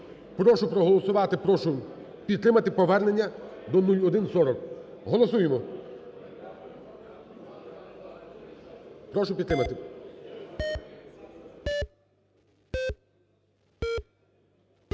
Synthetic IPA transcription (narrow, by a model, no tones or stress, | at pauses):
pɾɔʃʊpɾɔɦɔlˠɔsʊʋɑt̪ɪpɔʃʊ | pʲid̪t̪ɾɪmɐt̪ɪpɔʋɛrne̞nʲːɐd̪ɔnulʲɔd̪ɪnsɔɾɔk | ɦɔlˠɔsujemɔ | pɾɔʃʊpʲid̪ɾɪmɐt̪ɪ